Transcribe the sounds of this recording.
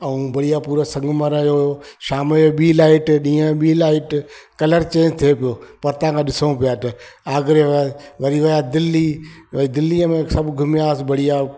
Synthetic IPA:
ɐũːbɐɽijapuːɾəsɐ̃ŋɡməɾjojo | ʃaːmɓiːlaːɪʈɗĩːə̃ɓiːlaːɪʈkɐləɾt͡ɕẽːt̪ʰepɪjoːpɐɾt̪ãːkʰãːɗɪsəũpijaːt̪ɐaːɡɾeʋaʋɐɾiʋɐjad̪ɪlːiʋɐid̪ɪlːiəmẽsɐbʱɡʱʊmɪjaːsɪbɐɽija

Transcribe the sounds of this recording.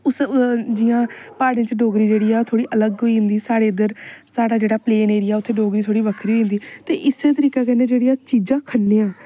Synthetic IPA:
ʊsd͡ʒɪjãːpaːɽẽːt͡ʃɖoːɡɾiːd͡ʒeːɽiːaːt̪ʰoːɽiːʔələɡɦoːĩːnd̪iːsaːɽeːɪd̪əɾsaːɽaːd͡ʒeːɽaːpleːneːɾɪjaːʊt̪ʰːeːɖoːɡɾiːt̪ʰoːɽiːbəkʰɾiːɦoĩnd̪iːt̪ḛːʔɪseːt̪əɾiːkaːkɛːnẽːd͡ʒeːɽiːaːt͡ʃiːd͡ʒãːkʰənːeːãː

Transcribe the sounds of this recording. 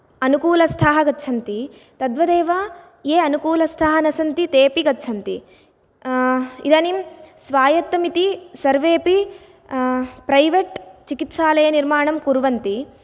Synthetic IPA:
ɐnukuːlɐst̪ʰaːɦɐɡɐtːt͡ʃʰɐnt̪i | t̪ɐd̪ʋɐd̪eːʋɐ | eːɐnukuːlɐst̪ʰaːɦɐnɐsɐnt̪it̪eːpiɡɐtːt͡ʃʰɐnt̪i | id̪ɐːnimsʋaːjɐt̪ːɐmit̪isɐɾʋeːpi | pɾɐjʋeʈt͡ʃikit̪ʃaːlɐjɐniɾmaːɳɐmkuɾʋɐnt̪i

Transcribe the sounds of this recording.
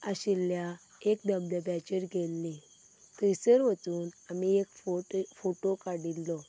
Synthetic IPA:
aɕilːja | ekd̪əbləbɛt͡ɕəɾɡʱelːĩ | t̪əjsəɾʋət͡suːnamiekffoʈokaɽilːɔ

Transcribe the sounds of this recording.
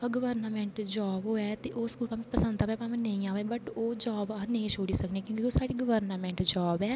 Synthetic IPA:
pəɡəʋəɾnaːmɛ̃ːɳʈd͡ʒaːboːɛːt̪eːʔoːskuːlpaːm̃pəsə̃naːɛːpaːmə̃nəĩaːʋeːbəʈoːd͡ʒaːbanəĩt͡ʃʰoːɽiːsəkneːkjõːkkikoːsaːɽiːɡəʋəɾnaːmɛ̃ːɳʈd͡ʒaːbɛː

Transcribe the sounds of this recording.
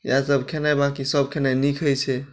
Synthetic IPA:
jasəbkʰenajbãkisəb̚kʰenajnikʰəjt͡ʃʰɛ

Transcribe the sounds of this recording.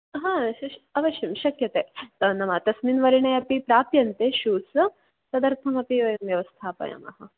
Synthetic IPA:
ɦãɐʋɐɕɐmʃɐkjɐt̪eːt̪ɐnɐmɐt̪ɐsmiːnʋɐɾiɳɐjɐpipɾaːpjɐnt̪eɕuːs | sɐd̪ɐɾt̪ʰɐmɐpiʋɐjɐmʋjɐʋɐst̪ʰaːpɐ̰jɐ̰mɐ̰ɦɐ

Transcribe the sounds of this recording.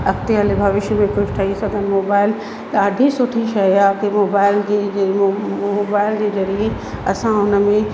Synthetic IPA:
ɐkt̪eɐlebʱɐʋɪʃmẽkʊd͡ʑʰʈʰɐisɐɡənɪ̆moːbaːɪl | t̪ːɖʱisʊʈʰiʃɐakemoːbaːɪld͡ʑe | moːbaːɪld͡ʑeːzɐɾie | ɐsãɦʊnə̆mẽ

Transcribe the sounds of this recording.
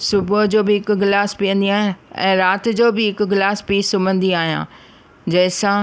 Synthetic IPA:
sʊbʊd͡ʑoːbɪɦɪkʊɡɪlaːspiːə̃nd̪iaːɦijãɛ̰̃ːɾaːt̪ɪ̆d͡ʑoːbɪɦɪkʊɡɪlaːspiːsʊmə̃nd̪iaːɦijã̰ː | d͡ʑɐːɪsã

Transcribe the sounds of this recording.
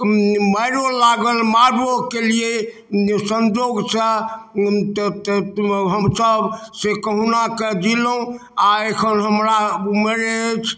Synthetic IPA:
məɪɾolaɡəlmaɖokelie | sə̃nd͡ʒoɡsə | t̪t̪ɦəmsəbsekəɦunaked͡ʒilo | aekʰənɦəmɾaməɾet͡ʃʰ

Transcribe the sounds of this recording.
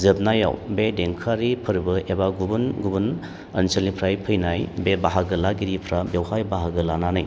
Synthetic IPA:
zɯp̚naja̰wbedeŋkʰaɾipʰɯɾbɯebaɡubunɡubun | ɐnsəlnipʰɾajpʰɯjnajbebaɦaɡɯlaɡiɾipʰɾabewhajbaɦaɡɯlananɯj

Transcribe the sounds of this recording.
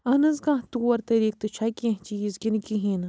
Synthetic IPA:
ɐnɐzɡãːɦt̪uwɐɾt̪ɐɾiːk̚t̪ɨt͡ʃʰakiɐ̃ɦt͡ʃijizɡʲinkiɦiːn

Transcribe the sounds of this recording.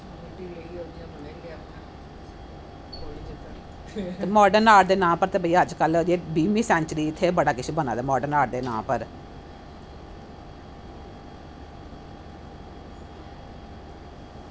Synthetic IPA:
ʈieioːɡiabneɡ | oid͡ʒt̪ː | emɔːɖənaːɖd̪eːnãːpəɾt̪eːbʱəijaəd͡ʒkəld͡ʒeːbiːmiːsɛ̃ːɲt͡ʃəɾiːɪt̪ʰːeːbəɽaːkɪʃʰebənã̰ːd̪aːmɔːɖəɾnaːɖd̪eːnãːpəɾ

